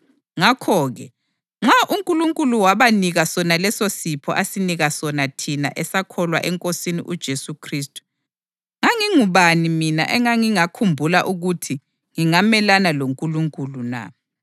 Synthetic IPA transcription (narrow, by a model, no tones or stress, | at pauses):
ŋakʰɔɣɛ | ŋ͡ǁaʔuŋkʼuluŋkʼuluwaβaniɣasɔnalɛsosipʰɔ̰ʔasiniɣasɔnatʰina̰ʔɛsakʰɔlwa̰ʔɛŋkʼosinḭʔud̥ʒ̥ʱesukʰriːstʼu̥ | ŋaŋiŋuβanimina̰ʔɛŋaŋiŋakʰumbʱula̰ʔuɣutʰi | ŋiŋamɛlanaloŋkʼuluŋkʼuluna̰